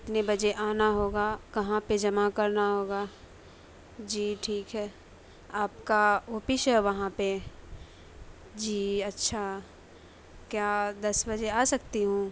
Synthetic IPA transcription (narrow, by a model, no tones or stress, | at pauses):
ɪt̪nebɐd͡ʒeʔaːnaɦoːɡakɐɦãped͡ʒɐmakɐɾnaɦoːɡaː | d͡ʒiːʈʰiːkɦɛː | aːpkaoːpɪʃɦɛʋɐɦãpe | d͡ʒiːɐtːʃʰa | kjaːd̪ɐsbɐd͡ʒeaːsɐk̚t̪iɦũː